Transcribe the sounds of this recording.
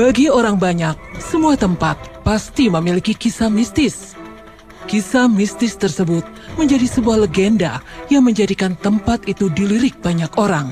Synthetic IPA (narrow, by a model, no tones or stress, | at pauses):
b̥aɡioɾaŋbaɲak̚səmuat̪əmpat̪̚past̪iməmilikikisamist̪ɪs | kisamist̪ɪst̪ərsəbʊt̪̚məɲd͡ʒadisəbuahləɡɛndajaŋməɲd͡ʒadikant̪əmpat̪it̪udiliɾɪk̚b̥aɲakoɾaŋ